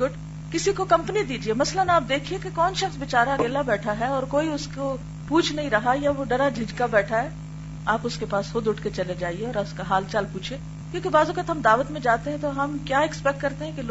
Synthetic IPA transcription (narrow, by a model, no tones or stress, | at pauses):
ʊɖ | kɪsikokɐ̃mpənid̪iːd͡ʒiemɐslənaːp̚d̪eːkʰiekekɔːnʃɐxsʋɪt͡ʃaːɾaɡeːlabɛːʈʰaɦɛɔːɾkoːiʊsko | puːt͡ʃʰnɐɦĩɾɐɦajaʋoɖɐɾad͡ʒʱɪd͡ʒkabɛːʈʰaɦɛː | aːpʊskepaːsxod̪ʊʈʰket͡ʃɐled͡ʒaːieɔːɾaʊskaɦaːlt͡ʃaːlpuːt͡ʃʰeː | kjõːkibaːzʊkət̪ɦɐmd̪aːʋət̪mẽd͡ʒaːt̪eɦɛ̃t̪oɦɐmkjaːɛkspɛk̚ʈkɐɾt̪eɦɛ̃kil